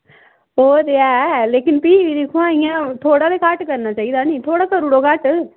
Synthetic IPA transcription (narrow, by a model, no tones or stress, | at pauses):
oːɾeɛːleːkɪnpiːʋiːd̪ĩːkʰʊãːɪjãːt̪ʰoːɽaːd̪eːkaʈkəɾnaːt͡ʃaːiːd̪aːnĩːt̪ʰoːɽaːsəɾuːɽoːkaʈ